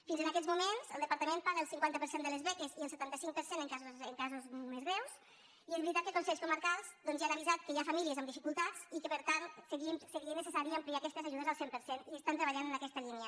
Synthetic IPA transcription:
finzənakɛd͡zzmumenzə̰lˠd̪əpaɾt̪əmẽnpaɾəlˠsiŋkwant̪əpəɾsend̪ələzβɛkeziəlˠsət̪ant̪əsiŋk̚pəɾsenəŋkazozəŋkazuzmezɣɾɛws | iezβɾit̪at̪̚kəkunsɛʎskuməɾkalˠzd̪ɔnzianəβizat̪̚kəjafamiliəzəmd̪ifikulˠt̪at͡sikəpəɾt̪ansəɣinsəɾiənəsəsaɾiəmpliakɛst̪əzaʒuðəzəlˠsempəɾseniəst̪ant̪ɾəβaʎanənɐkɛst̪əlinjə

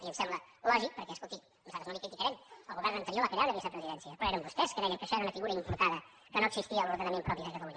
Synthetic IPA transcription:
iəmsɛmbləlɔʒik̚pəɾkɛəskulˠt̪ik | nuzat̪ɾznolikɾit̪ikəɾɛməlˠɣuβɛrnənt̪əɾioləkɾeawðəβisəpɾəziðɛnsiəpɾɔeɾəmbust̪ɛskəðɛjəŋkəʃɔeɾəunəfiɣuɾəimpuɾt̪aðə | kənoəɡ̥zist̪iəluɾðənəmẽmpɾɔpiðəkət̪əluɲ

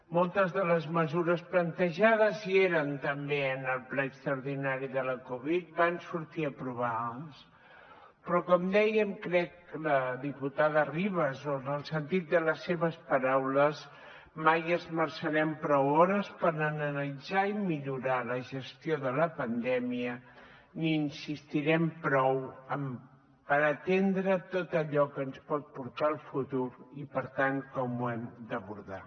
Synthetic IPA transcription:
mɔlˠt̪əzðələzməzuɾəsplənt̪əʒaðəzieɾənt̪əmbeənəlˠplɛəkst̪ɾəɾðinaɾiðələkuβ̞it̪̚bansuɾt̪iəpɾuβaðəs | pɾɔkɔmd̪ɛjəmkɾɛk | ləðiput̪aðəriβəzonəlˠsənt̪it̪̚d̪ələsːeβəspəɾawləz | majəzməɾsəɾɛmpɾɔwɔɾəspəɾnənənəlid͡zaimiʎuɾaləʒəst̪ioðələpənd̪ɛmiə | niːnsist̪iɾɛmpɾɔwəm | pəɾət̪end̪ɾət̪ot̪əʎɔkənspɔt̪̚puɾt̪aəlˠfut̪uɾipəɾt̪aŋkɔmuɛmd̪əβuɾða̰

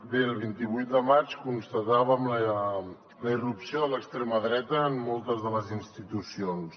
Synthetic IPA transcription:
d̪elˠβint̪iβujt̪̚d̪əmat͡ʃkunst̪ət̪aβəmlə | ləirupsioðələkst̪ɾeməðɾɛt̪əːmːɔlˠt̪əzðələzinst̪it̪usions

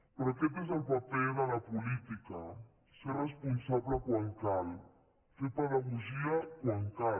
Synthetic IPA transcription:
pɾokep̬ez̬alpapeðalapulit̪ika | serespunsaβlakwaŋkal | fepaðaɣoʒiakwaŋka

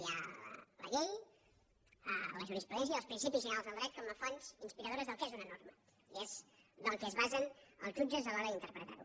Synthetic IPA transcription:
ja̰lə̰ʎej | ələʒuɾispɾuðɛns̬jəːəlspɾinsipizʒənəɾalzðəlˠd̪ɾɛt̪̚kɔməfɔnzinspiɾəð̞oɾəzðəlˠkɛzunənoɾmə | iez | ðəlˠkɛzβazənə̰lˠʒud͡ʒəzəlɔɾəðint̪əɾpɾət̪a̰ɾu

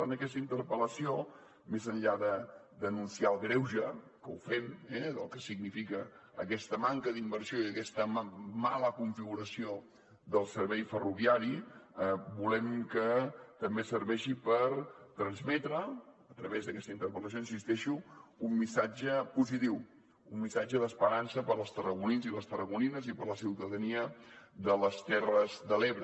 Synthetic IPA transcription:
anəkɛst̪əint̪əɾpələsio | mezəɲʎaðə | d̪ənunsiaəlˠɣɾɛwʒə | kəufemɛðəlˠkəsiɡ̚nifikəːkɛst̪əmaŋkəðimbəɾsioiəkɛst̪əmaləkuɱfiɣuɾəsio | d̪əlˠsəɾβɛjfəruβiaɾiəbulɛmkət̪əmbesəɾβɛʃipəɾt̪ɾənzmɛt̪ɾəː | t̪ɾəβezðəkɛst̪əint̪əɾpɾət̪əsjoins̬ist̪ɛʃuːmːisad͡ʒəpuzit̪iw | umːisad͡ʒəðəspəɾansəpəɾlˠst̪ərəɣuninziləst̪ərəɣuninəzipəɾləsiwt̪əðəniəðələst̪ɛrəzðəleβɾə

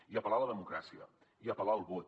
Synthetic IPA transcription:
iəpəlaləðəmukɾasiə̰ | iəpəlaəlˠβot̪

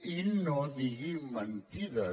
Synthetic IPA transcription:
inːoːd̪iɡimɐnt̪id̪ɐ

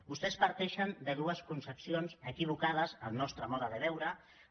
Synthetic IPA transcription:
bust̪ɛspəɾt̪ɛʃənd̪əðuəskunsəpsionzəkiβ̞ukað̞əzəmnɔst̪ɾəmɔðəðəβɛwɾə

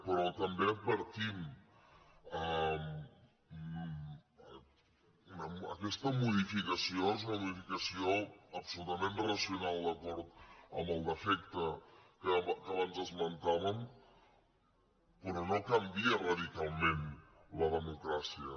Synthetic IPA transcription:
pəɾɔt̪əmbepəɾt̪im | əm | unəə̰kɛst̪əmuð̞ifikəsioezunəmuðifikəsioəpsulut̪əmẽnrəsjunalˠd̪əkɔɾt̪̚ə̰məlˠd̪əfɛk̚t̪əkəβkəaβanzəzmlənt̪aβəm | pəɾɔnokəmbiəraðikalˠmẽn | ləðəmukɾasiə

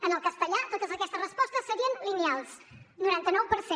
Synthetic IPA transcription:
ənəlˠkəst̪əʎat̪ot̪əzəkɛst̪ərəspɔst̪əsːəɾiənlinialˠs | nuɾant̪ənɔwpəɾse

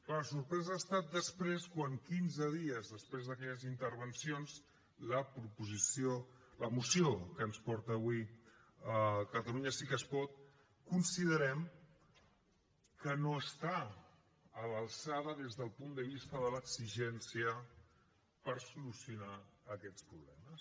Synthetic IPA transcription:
pəsuɾpɾɛzəːst̪at̪̚d̪əspɾeskwaŋkinzəðiəzðəspɾezðəkɛʎəzint̪əɾβ̞ənsions | ləpɾupuzisjoləmusiokənspɔɾt̪əːβwi | əkət̪əluɲəsikəspɔt̪̚ | kunsiðəɾɛm | kənoəst̪aː | ləlˠsaðəðezðəlˠpund̪əβist̪əðələkziʒɛnsiə | pəɾsulusiunaːkɛt̪t͡spɾuβlɛməs

